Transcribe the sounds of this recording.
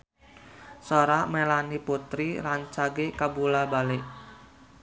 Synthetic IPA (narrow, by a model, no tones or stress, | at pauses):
soɾamelaniput̪ɾiɾaɲt͡ʃaɡekabulabalɪʔ